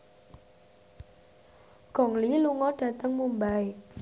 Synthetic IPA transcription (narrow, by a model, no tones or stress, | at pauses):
ɡ̥ɔ̤ŋliluŋɔɖ̥ä̤t̪əŋmumbaj